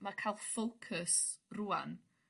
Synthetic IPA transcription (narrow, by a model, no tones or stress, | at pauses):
makʰajlˠfowkʰəsruːa̰n